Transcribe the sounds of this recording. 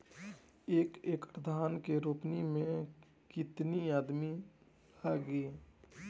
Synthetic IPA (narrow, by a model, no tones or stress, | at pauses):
eːkeːkɾd̪ʱaːnkeɾoːpnimẽ | kɪt̪niaːd̪mi | aːɡeː